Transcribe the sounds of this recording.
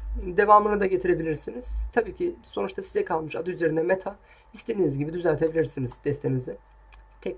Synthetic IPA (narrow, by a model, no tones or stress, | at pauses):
d̪e̞vaːmɯnɯd̪aɟe̞t̪ʰiɾe̞bilʲiɾsiniz̥t̪ʰabiːcʰiso̞nut͡ʃt̪ʰasizɛkʰalˠmɯʃad̪ayze̞ɾind̪ɛmet̪ʰa | hist̪ʰe̞d̪inizɟibid̪yzælʲt̪ʰe̞bilʲiɾsiniz̥d̪̥ɛst̪ʰemizd̪ɛ | t̪ʰɛc